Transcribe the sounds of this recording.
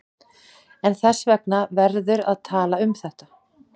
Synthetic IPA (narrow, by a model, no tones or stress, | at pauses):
ɛnθɛsːvɛknavɛɾðʏɾaðt̪ʰaːlaʏmθɛht̪ḁ